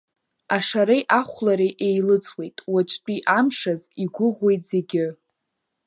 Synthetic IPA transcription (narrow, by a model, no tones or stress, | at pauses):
aʂaɾejʔaχʷlaɾeʔejlɨt͡sʰʼwe̞jtʼwat͡ʃʷʼt͡pʷʼiʔamʂaziɡʷʊʁwe̞jtʼz̥e̞ɡʲɪ